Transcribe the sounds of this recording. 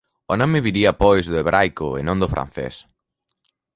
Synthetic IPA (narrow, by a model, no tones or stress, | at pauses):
onɔmɪβiɾiɐpojzðʊeβɾʔajkʊḛnõŋd̪ʊfɾa̰n̟θḛs